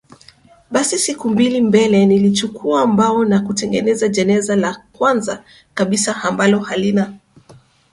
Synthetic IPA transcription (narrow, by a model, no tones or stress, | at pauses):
ɓasisikumbilimbɛlɛnilit͡ʃukʰuaːmbaɔnakutɛŋɡɛnɛzaʄɛnɛzalakwanza | kaɓisaambalɔhalina